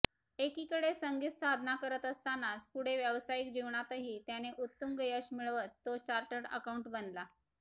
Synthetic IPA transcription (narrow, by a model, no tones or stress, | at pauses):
ekikəɽesəŋɡit̪sad̪ʱnakəɾət̪əst̪anaspuɽ̤eʋjəʋsajik̚d͡ʑiʋɳat̪əɦiːt̪janeʔut̪ːəmɡəjəɕmiɭʋət̪ːot͡ɕaɾʈəʈə̰kauɳʈbənd̪la